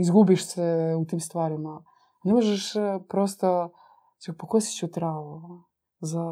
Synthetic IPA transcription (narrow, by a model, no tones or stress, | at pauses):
izɡubiʃsɛut̪iːmst̪ʋaːɾima | nemoʒɛʃpɾost̪a | sipokosi̥t͡ɕut̪ɾaːʋo | za